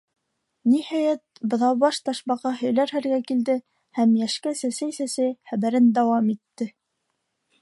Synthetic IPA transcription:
nihæjæt̪̚bɤ̆ðɑwbɑʃt̪ɑʃbɑqɑɦɵ̆jlæɾhæɾɡækild̪ɘ | hæmjæʃkæsæsæjsæsæjχæβæɾɘnd̪æwɑmit̪ːɘ

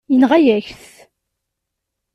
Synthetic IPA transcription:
jənʁæjæçθ

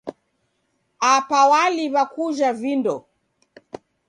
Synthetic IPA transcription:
apawaliβakuʒavindɔ

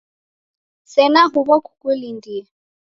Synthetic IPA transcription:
sɛnaɦʊbakʰu̥kʼulindiːa

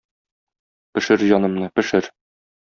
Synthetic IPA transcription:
pɘ̆ʃɘɾjɒnɤ̆mnɤpɘ̆ʃɘɾ

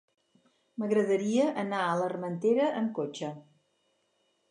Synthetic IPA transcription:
məɣɾəðəɾiəʔənaələrmənt̪eɾəʔəmkot͡ʃə

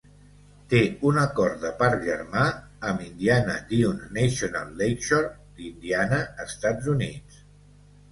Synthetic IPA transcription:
t̪eunəkɔrt̪d̪əpaɾʒəɾma | əmind̪ianə̰d̪iunːesiona̰lˠːejʃoɾd̪̥ind̪ianəəst̪ad͡zunit͡s

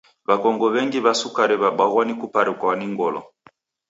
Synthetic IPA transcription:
βakɔŋɡɔβɛŋɡiβasukaɾiβaɓaɣɔnikupaɾikwaniŋɡɔlɔ̰

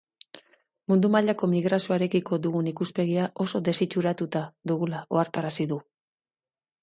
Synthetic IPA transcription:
mund̪umaʎako̞miɣɾasioaɾe̞kiko̞ðuɣunikuspe̞ɣ̞iaʔo̞so̞ðe̞sit͡ʃuɾat̪ut̪aðuɣulao̞aɾt̪aɾasiðu

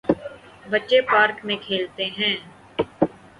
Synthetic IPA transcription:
bətːʃepaːɾkmẽkʰeːlt̪eɦɛ̃ː

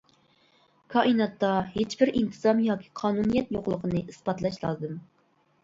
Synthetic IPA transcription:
kʰɑʔinɑt̪ːɑhet͡ʃbɪɾʔint̪ʰɨzɑmjɑːkʲʰi̥qʰɑːnunijɛt̪joqlˠəqʰənɨʔisbɑt̪lˠɑʃlˠɑ̰ːzɨm

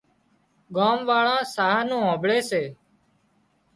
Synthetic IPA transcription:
ɡaːmʋaːɭãːsaːɦaːnũːãːbɭeːseː

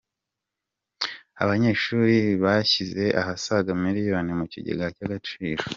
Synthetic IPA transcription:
a̰βaɲe̞ʃuːɾiβaçize̞ʔa̰hasaɡamiɾijonemuciɟḛɡacaɡat͡ʃiːɾo

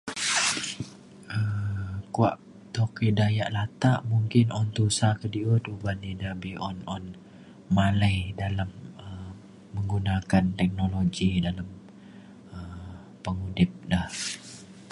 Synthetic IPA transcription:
ʔəmkua̰ʔ | t̪okidajaʔlat̪aʔmuŋkɪnɔnt̪usakədiʊt̪ubanidabiʔɔnɔn | maləjdalaməː | əŋɡunakant̪ɛk̚noloɡidalam | əm | pəŋudɪp̚dah

